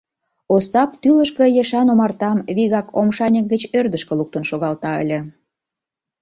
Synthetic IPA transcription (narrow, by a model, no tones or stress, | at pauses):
ost̪ɑp̚t̪yləʃkə̆jeʃɑnomɑrt̪ɑmβiɣɑkomʃɑnʲək̚ɡət͡ɕørd̪əʃkə̆luk̚t̪ənʃoɣɑlt̪ɑə̰lʲĕ